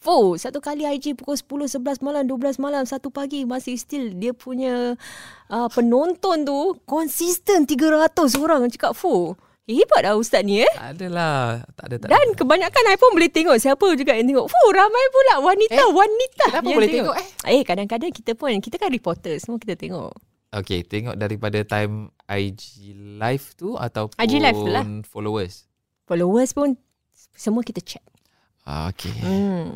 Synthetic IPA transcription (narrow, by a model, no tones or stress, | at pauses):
fusat̪ukaliajd͡ʒipukʊlsə̥pulʊhsəbəlasmalamduəblasmalamsat̪upaɡimasɪst̪ildiəpʰuɲə | ʔəpənɔnt̪ɔnt̪ukɔnsist̪ənt̪iɡəɾat̪ʊs̬oɾaŋt͡ʃə̥kap̚fu | iibaʔ̚daust̪at̪̚niəa̰dəlaaadankəbaɲakanajpʊnbolit̪eŋɔʔsiapəd͡ʒuɡaʔjaŋt̪eŋɔʔfuɾamajpunlawaniawanit̪at̪aolet̪eŋɔʔekadaŋkadaŋkit̪əpʊnkit̪əkanripɔrt̪əsəmuəkit̪ət̪eŋɔ̰ʔ | oket̪eŋɔ̰ʔ̚daɾipadat̪ajm | ajd͡ʒilajft̪ua̰t̪awajd͡ʒilajft̪ulanfolowəs | folowəspʊn | səmuəkit̪ət͡ʃɛt̪̚ | a̰o̰kʰḛə